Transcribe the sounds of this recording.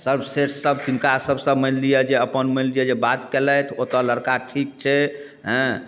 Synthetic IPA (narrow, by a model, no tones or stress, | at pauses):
səbʱseʈʰsəbt̪inkasəbʱsəbmənlijɛd͡ʒeəpənməllijɛd͡ʒebat̪kelət̪ʰot̪ələɾkaʈʰik̚t͡ʃʰɛ | ɦɛ̃